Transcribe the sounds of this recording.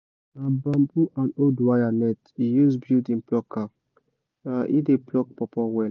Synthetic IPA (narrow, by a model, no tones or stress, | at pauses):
nabãmbuʔãnodwajanɛtijuzbidĩnplɔkʰːa | aʔideplɔk̚pɔpɔwɛl